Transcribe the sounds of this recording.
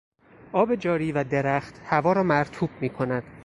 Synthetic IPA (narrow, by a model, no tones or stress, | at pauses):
ʔɒːbe̞d͡ʒɒːɾiːvæd̪e̞ɾæχt̪hævɒːɾɒːmæɾt̪ʰuːb̥̚miːkʰo̞næd̪̥